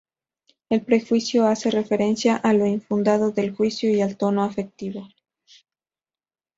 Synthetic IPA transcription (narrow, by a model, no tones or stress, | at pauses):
e̞lpɾe̞xwisjo̞ase̞re̞fe̞ɾe̞nsjaʔalo̞iɱfund̪aðo̞ðe̞lxwisjoialt̪o̞no̞afe̞k̚t̪iβo̞